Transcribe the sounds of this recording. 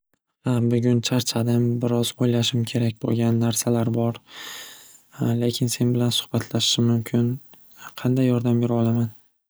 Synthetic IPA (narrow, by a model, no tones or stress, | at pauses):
habʊɡʲʊnt͡ʃʰaɾt͡ʃʰad̪ɪmbɪɾɒz̥ojlaʃɪmkʲʰe̞ɾak̚ʲbo̰lˠɡʲanːaɾsalaɾbɒɾ | le̞kʲʰɪnse̞nbɪlansʊ̥hbat̪ʰlaʃɪ̥ʃɪmʊmkʲʰɪn | qʰɑnd̪ajːɒɾd̪ambeɾɒlˠaman